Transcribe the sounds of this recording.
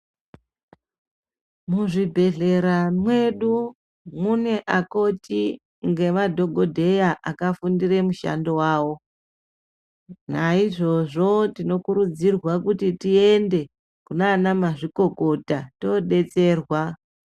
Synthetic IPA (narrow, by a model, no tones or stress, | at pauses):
muʐibʱe̞ɮe̞ɾamwe̞ɗu | muneʔako̞ti | ŋɡe̞madʱo̞ɡʱo̞dʱe̞jaʔakafundire̞muʃa̰ndo̞waːwo̞ | naiʐo̞ʐo̞tino̞kuɾud͡zirwakutitie̞nde̞ | kunaːnamaʐiko̞ko̞tato̞ɗe̞t͡se̞ːrwa